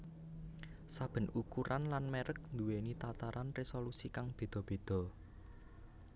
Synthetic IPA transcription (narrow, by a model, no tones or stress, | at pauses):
sab̥ə̤nukuɾʔanlanmeɾək̚nd̪uwenit̪at̪aɾanresolusikaŋb̥e̤d̪̥ɔ̤b̥e̤d̪̥ɔ̤